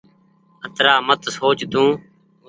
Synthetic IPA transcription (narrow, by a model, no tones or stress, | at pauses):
ət̪ɾaːmət̪soːt͡ʃd̪ũː